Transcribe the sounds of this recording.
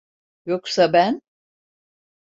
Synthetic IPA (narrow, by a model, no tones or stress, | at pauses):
joksabæn